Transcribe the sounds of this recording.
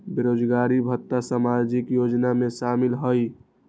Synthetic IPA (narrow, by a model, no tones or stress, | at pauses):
beɾoːd͡ʒɡaːɾibʱət̪ːasamad͡ʒikjod͡ʒnamẽʃaːmɪlɦəj